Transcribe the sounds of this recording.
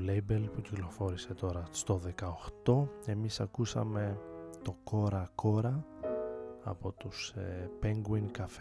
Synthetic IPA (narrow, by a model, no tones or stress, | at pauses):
lejbelpuciklo̞fo̞ɾise̞t̪o̞ɾɐst̪o̞ðe̞kɐoxt̪o̞e̞misɐkusɐ̰me̞t̪o̞ko̞ɾɐkʰo̞ɾɐ | ɐ̰po̞t̪uspeŋɡwinkɐf